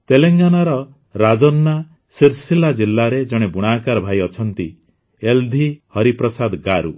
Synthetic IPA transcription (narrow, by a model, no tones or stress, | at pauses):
t̪eleŋɡanaɾɔ | ɾad͡ʒɔnːa | siɾsilad͡ʒilːaɾed͡ʒɔɽ̃ebuɽ̃akaɾɔbʱaiɔt͡ʃʰɔnt̪i | eld̪ʱihɔɾipɾɔsad̪ɡaɾṵ